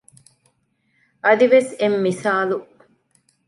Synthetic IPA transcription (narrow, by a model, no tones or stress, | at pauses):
ʔɐd̪iʋesemːisaːlu